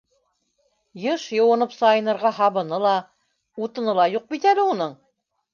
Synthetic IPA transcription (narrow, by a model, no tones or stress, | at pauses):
jɤʃjɤ̆wɤ̆nɤpsɑjɤ̆nɤ̆ɾʁɑɦɑβɤ̆nɤlˠɑ | ut̪ɤ̆nɤlˠɑjuq̚bit̪ælɘunɤɴ